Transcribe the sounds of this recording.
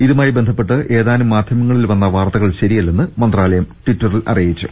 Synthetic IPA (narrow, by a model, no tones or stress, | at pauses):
iðumaːjibe̞nd̪ʱɐpːe̞ʈːɨʔe̞ːðaːnumːaːd̪ʱjɐmɐŋːɐɭilʋɐnːɐʋaːrt̪ɐɣɐɭɕɐɾijɐlːenːɨmɐnd̪raːlɐjɐmʈiʈːɐrilɐ̰rijit͡ɕːu